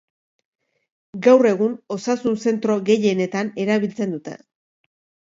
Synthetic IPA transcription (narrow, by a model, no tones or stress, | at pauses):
ɡawre̞ɣuno̞sasunse̞nt̪ɾo̞ɣe̞je̞ne̞t̪ane̞ɾaβilt͡se̞nd̪ut̪e̞̰